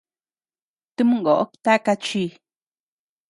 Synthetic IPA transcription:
t̪ɨ˦mɨ̃˦ŋɡo˨ʔo˦kt̪a˦ka˧t͡ʃi˧

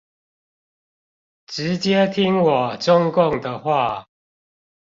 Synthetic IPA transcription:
ʈ͡ʂɻ̩˨˦t͡ɕjɛ˦t̪ʰi˦ŋwɔ˨˩ʈ͡ʂʊ˦ŋkʊ˥˨ŋd̪ə˨xwa˥˨

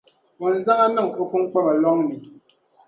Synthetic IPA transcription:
bɔ˨n˨za˦ŋa˦nɨ˦˨ŋo˦ku˦ŋ˦k͡pa˦ba˨lɔ˦ŋni˨

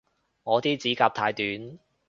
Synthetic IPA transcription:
ŋɔː˨˧t̪iː˥t͡siː˨˥kaː˧p̚t̪ʰaː˧jt̪yː˨˥n

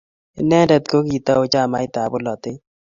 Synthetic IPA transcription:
ɪ˦nɛ˦ndɛ˨t̪̚ko˦ki˨t̪a˦o˦t͡ʃa˦˨ma˦ɪ˦t̪a˨bʊ˦lɔ˨t̪e˦

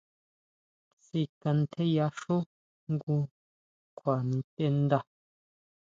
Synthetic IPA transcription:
si˦˨kɐ˧nt̪ʰe˦ja˦ʃo˦ | ŋ˦ɡu˧ | kʰʷa˨n˨˦tʼe˦n˦d̪a˦˨

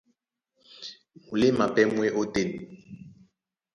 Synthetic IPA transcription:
mu˨li˦ma˨pɛ˦mwe˦ʔo˦te˦ni˨

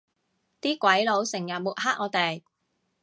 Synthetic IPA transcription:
t̪iː˥kʷɐ˨˥jlo˨˧˥wsɪ˨˩ŋjɐ˨t̚muː˨˩t̚ɦaː˥t̚ʔɔː˨˧t̪e˨j

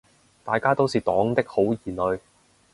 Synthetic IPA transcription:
t̪aː˨jkaː˥t̪o˥wsiː˨˧t̪ɔː˨˥ŋt̪ɪ˥k̚ho˨˥wjiː˨˩nɵ˨˧ɥ

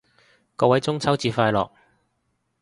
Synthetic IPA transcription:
kɔː˧wɐ˨˥jt͡sʊ˥ŋt͡sʰɐ˥wt͡siː˧faː˧jlɔ̰ː˨k̚

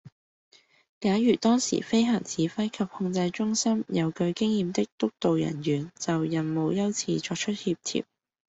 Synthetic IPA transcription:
kaː˨˥jyː˨˩t̪ɔː˥ŋsḭ˨˩fe˥jɦɐ˨˩ŋt͡sʰiː˨˥fɐ˥jkʰɐ˨p̚hʊ˧ŋt͡sɐ˧jt͡ʃʊ˥ŋsɐ˥mjɐ˨˧wkɵ˧ɥkɪ˥ŋjiː˨mt̪ɪ˥k̚t̪ʊ˥k̚t̪o˨wjɐ̰˨˩nɥyː˨˩nt͡sɐ˨wjɐ˨˩nmo˨˧wjɐ˥wt͡sʰiː˧t͡ʃɔː˧k̚t͡ʃʰɵ˥t̚hiː˧p̚t̪ʰḭː˧˥p̚

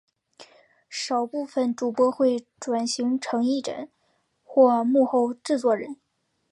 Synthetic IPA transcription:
ʂɑ˨˩ʊpu˥˩fə˩nʈ͡ʂu˨˩pwɔ˧˥xwe˥˩ɪʈ͡ʂwa˨˩nɕi˧˥ŋʈ͡ʂʰɤ˧˥ŋi˥˩ʈ͡ʂə̰˨˧˩n | xwɔ˥˧mu˥˧xo˥˧ʊʈ͡ʂɻ̩˥˧t͡swɔ˥˩ɻə˧˥n

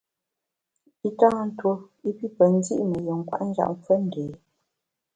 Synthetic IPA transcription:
i˦tãː˦n̩˦two˦ | i˦pi˦pə˨n˦zḭ˦ʔmə˨jə˨ŋ˨kwa̰˦ʔn̩˦d͡ʒa̰˨ʔɱp͡fwə˦n̩˨deː˨

